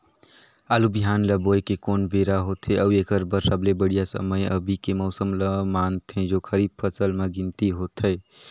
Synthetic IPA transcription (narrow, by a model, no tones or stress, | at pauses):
alubiɦanləbojkekonbeɾaɦot̪ʰeʔəwekəɾbəɾsablebəɽijasə̰məjəbʱikemɔʊsəmləmant̪ʰẽd͡ʒokʰəɾib̚pʰəsəlmeɡint̪iɦot̪ʰəɪ